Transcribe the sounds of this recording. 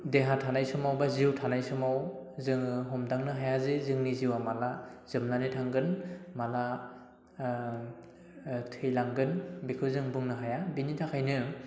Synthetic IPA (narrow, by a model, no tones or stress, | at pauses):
deɦatʰanajsɯmawbaziwtʰanajsɯmaw | zɯŋɦɔmdaŋnɯɦajazezɯŋniziwamalaz̥ɯmnanitʰaŋɡɯnmala | tʰɯjlaŋɡɯnbikʰɯwzɯŋbɯŋnɯɦajabinitʰakʰajnɯ